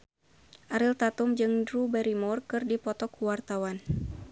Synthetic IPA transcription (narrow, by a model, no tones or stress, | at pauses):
ʔaɾilt̪at̪umd͡ʒɨŋdɾubɛɾimɔrkɨrdipɔt̪ɔkuwart̪awan